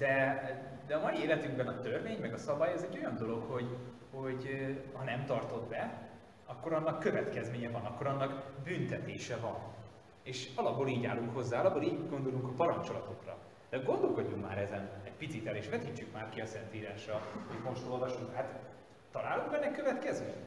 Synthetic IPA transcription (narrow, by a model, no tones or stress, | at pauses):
d̪̥ɛ | d̪ɛɒmɒjieːlɛt̪yŋɡbɛnɒt̪ørveːɲmɛɡɒsɒbɒjɛzɛɟːo̞jɒnd̪o̞lo̞kho̞ɟ | ho̞ɟhɒnɛmt̪ɒrt̪o̞d̪bɛ | ɒkːo̞ɾɒnːɒkːø̞vɛt̪kɛzmeːɲɛvɒnɒkːo̞ɾɒnːɒɡbynt̪ɛt̪eːʃɛvɒn | eːʃɒlɒbːoːliːɟa̰ːlːuŋkho̞zːaːlɒbːoliːɟɡo̞nd̪o̞luŋkɒpɒɾɒnt͡ʃo̞lɒt̪o̞krɒ̰ | d̪̥ɛɡo̞nd̪olko̞ɟːukma̰ːɾɛzɛnɛɟpit̪sit̪ɛleːʃʋɛt̪it͡ʃːykmaːrkiɒsɛnt̪iːɾaːʃrɒho̞ɟmo̞ʃt̪o̞lvɒʃuŋkɦaːt̪ | t̪ːɒlaːluŋkbɛnːɛkøvɛt̪kɛzmḛːɲ